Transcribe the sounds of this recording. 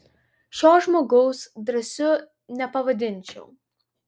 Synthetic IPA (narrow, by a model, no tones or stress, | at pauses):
ʃʲoːʒmoːɡɐʊsd̪ɾɐsʲʊ | nʲɛpɐʋɐd̪ʲɪnʲˑt͡ʃʲɛ̰ʊ